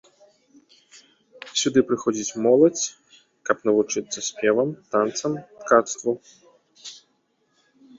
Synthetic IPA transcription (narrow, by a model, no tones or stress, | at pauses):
sʲud̪ɨpɾɨxɔd͡zʲit͡sʲmɔlˠɐt͡sʲ | kɐpnɐvut͡ʂɨt̪sːɐsʲpʲɛvɐmt̪ant̪sɐmt̪kat̪st̪vu